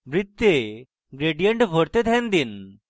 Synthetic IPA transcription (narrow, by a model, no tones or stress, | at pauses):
ʋɾit̪ːje | ɡɾeɖijəɳʈbʱoɽt̪ed̪ʱɛ̃nd̪in